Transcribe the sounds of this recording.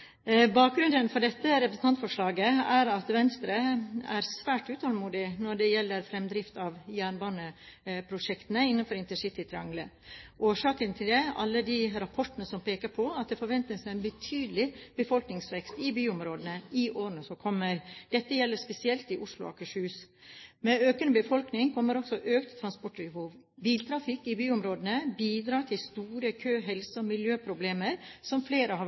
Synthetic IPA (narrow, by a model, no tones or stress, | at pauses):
bɑːk̚ɡɾʉnd̪ənfɔɖɛt̪ːəɾɛpɾəsn̩t̪ɑnt̪fɔʂɭɑːɡəæɾɑt̪ʋɛnst̪ɾəæ̰ɾsʋæːʈʉːt̪ʰɑːlmuːd̪ɪnɔɖɛjɛlːəɾfɾɛmd̪ɾɪft̪ɑʋjæːɳbɑːnəpʰɾʊʂɛkt̪ənəɪnːənfɔɾɪnt̪ɛnʂɪt̪ɪt̪ʰɾɪɑŋlə | ʔoːʂɑːkənt̪ʰɪld̪ɛɑlːəd̪ɪɾɑpʰɔʈːənəsɔmpʰeːkəpʰɔɑt̪̚d̪ɛfɔɾʋɛnt̪nɪsɛnbət̪ʰyːd̪əlɪb̥əfɔlknɪŋsʋɛkst̪ɪbyːʊmɾoːd̪ənəɪʔoːɾənəsɔkʰɔmːəɾd̪̥ɛt̪ːəjɛlːəɾspɛsɪɛlt̪ɪʔʊʂlʊ̰ɑ̰kəʂhʉːsmɛøːkənəbəfɔlknɪŋkʰɔmːəɾɔksɔʔøːkt̪ʰːɾɑnspɔʈɪhuːʋ | biːlt̪ʰɾɑfɪkːɪbyːʊmɾoːd̪ənəbiːd̪ɾɑːt̪ʰɪlst̪uːɾəkʰøːɦɛlsəɔmɪljøːpʰɾʊbleːməɾsɔmfleːɾəhɑ